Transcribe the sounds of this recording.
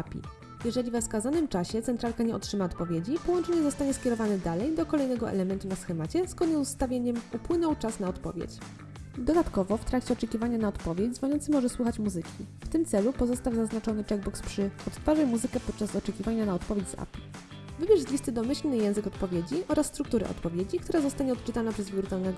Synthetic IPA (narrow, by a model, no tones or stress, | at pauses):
apʲḭ | jɛʐɛlʲivɛfskazanɘmt͡ʂaɕɛt̪sɛnt̪ɾalkaɲɛɔtʂɘmaɔt̪pɔvʲjed͡ʑipɔwɔnt͡ʂɛɲɛzɔst̪aɲɛskʲɛɾɔvanɛd̪alɛjd̪ɔkɔlɛjnɛɡɔʔɛ̰lɛmɛnt̪unasxɛmat͡ɕɛsɡkɔɲɛst̪avʲjeɲɛmupwɘnɔwt͡ʂasnaɔt̪pɔ̰vʲjḛt͡ɕ | d̪ɔd̪at̪kɔvɔft̪ɾakt͡ɕɛɔt͡ʂɛkʲivaɲanaɔt̪pɔvʲjed͡ʑzvɔɲɔnt̪sɘmɔʐɛswuxat͡ɕmuzɘkʲift̪ɘmt̪sɛlupɔzɔst̪awzaznat͡ʂɔnɘt͡ʂɛɡ̚bɔkspʂɘɔt̪t̪faʐajmuzɘkɛpɔt̪̚t͡ʂasɔt͡ʂɛkʲivaɲanaɔt̪pɔvʲjed͡ʑʲza̰pʲi̥ | vɘbʲjɛʐzlʲist̪ɘd̪ɔmɘɕlnɘjɛ̃w̃zɘkɔt̪pɔvʲjed͡ʑiʔɔɾasːt̪ɾuk̚t̪uɾɘ̰ʔɔ̰t̪pɔvʲjed͡ʑikt̪uɾazɔst̪aɲɛɔt̪t͡ʂɘt̪anapʂɛzvʲuɾt̪alnɛɡɔ